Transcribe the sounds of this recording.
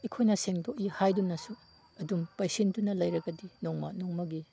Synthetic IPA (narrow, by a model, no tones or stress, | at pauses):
ekʰojnɐseŋtoʔihajdunːɐsu | ɐdumpajsindunːɐlɐjɾɐɡɐdinɔŋmɐnɔŋmɐɡi